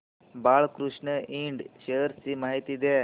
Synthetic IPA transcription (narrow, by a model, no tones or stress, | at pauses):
baːɭkɾuʂɳəiɳɖʃeəɾsimaːɦit̪id̪e